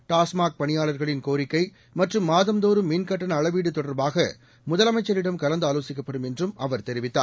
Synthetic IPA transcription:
ʈaːsmaːk̚pɐɳɪjaːɭɐɾɣɐɭɪnkoːɾɪkːɐɪ | mɐʈrɯmːaːðɐmd̪oːɾɯmːiːnkɐʈːɐnɐɭɐʋiːɽɯt̪ːɔɽɐɾbaːɣɐ | mʊðɐlɐmɐɪt͡ʃːɐɾɪɽɐmkɐlɐnd̪ɯaːloːsɪkːɐpːɐɽɯmɛndrɯmɐʋɐɾt̪ɛɾɪʋɪt̪ːa̰ːɾ

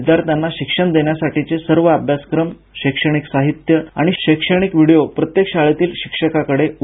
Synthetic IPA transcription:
d̪jaɾt̪anːaɕikʂəɳd̪eɳjasaʈit͡sesəɾʋəabʱjaskɾəm | ɕekʂəɽ̃iksaɦit̪jəa̰ɽ̃iɕekʂəɽ̃ikʋiɽijopɾət̪jekɕaɭet̪iːlɕikʂəkakəɽeu

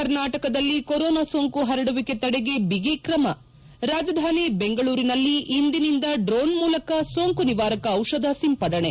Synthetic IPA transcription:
kɐɾnaːʈɐkɐd̪ɐlːikoɾoːnaːsoːŋkuɦɐɾɐɽuʋike̞t̪ɐɽeɡe̞biɡekɾɐmɐ | ɾaːd͡ʒɐd̪ʱaːnibeŋɡɐɭuːɾinɐlːiʔːnd̪inind̪ɐɖɾoːnmuːlɐkɐsoːŋkuniʋaːɾɐkɐːwʂɐd̪ʱɐsimpɐɽɐɳe

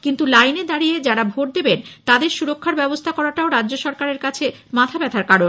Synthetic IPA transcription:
kint̪ulajned̪aɾijed͡ʑaɾabʱoʈ̚d̪ebent̪ad̪eɾʃuɾokʰːaɾbɛbost̪ʰakɔɾaʈaoɾadːd͡ʑoʃɔɾkaɾeɾkat͡ɕʰe | mat̪ʰabɛt̪ʰaɾkaɾon

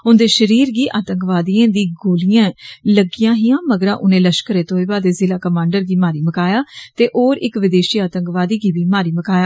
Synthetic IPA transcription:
ʊnd̪eːʃəɾiːɾɡiːʔaːt̪əŋkʋaːd̪iːãːd̪iːɡoːlijãːləɡijãːɦijãːməɡəɾãːʔʊnẽːləʃkəɾeːt̪õːiːbaːd̪eːzɪlaːkəmãːɳɖəɾɡiːmaːɾiːməkaːjaːt̪eːʔoːɾɪkʋɪd̪eːʃiːaːt̪əŋkʋaːd̪iːɡiːbiːmaːɾiːməkaːjaː

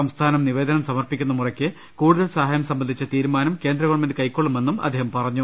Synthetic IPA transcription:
ɐmst̪ʰaːnɐmniʋe̞ːd̪ɐnɐmsɐmɐrpikʲːunːɐmurɐkʲːɨ | kuːɽuðɐlsɐɦaːjɐmsɐmbɐnd̪ʱit͡ɕːɐt̪iːɾumaːnɐmkeːnd̪rɐɣɐʋɐɳmendɨkɐjkːoɭːume̞nːumʔɐ̰d̪ʱːeːhɐmpɐrɐɲːu

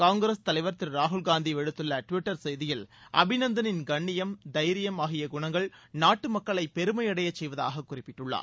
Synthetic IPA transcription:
kaːŋɡɾɐst̪ɐlɐɪʋɐɾɐt̪ːɪlɾaːɦʊlɡaːnd̪iʋɛɽɯt̪ːɯlːɐʈʋɪʈːɐɾsɛjðɪjɪlʔɐ̰bʱɪnɐnd̪ɐnɪnɡɐɳːɪjɐmd̪ɐjɾɪjɐmaːɣɪjɐɡʊɳɐŋɡɐɭnaːʈːɯmɐkːɐɭɐɪpɛɾɯmɐjɐɽɐjɐt͡ʃːsɛjʋɐða̰ːɣɐkːʊrɪpːɪʈːɯɭːa̰ːɾ

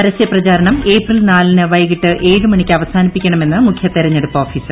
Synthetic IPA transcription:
pɐɾɐɕjɐprɐt͡ɕaːɾɐɳɐme̞ːprilnaːlinɨʋɐjɣiʈːɨʔe̞ːɻɨmɐɳikʲːɨɐʋɐsaːnipːikʲːɐɳɐme̞nːɨmukʰjɐt̪ːiɾɐɲːeɽupːɐoːfiːsɨ

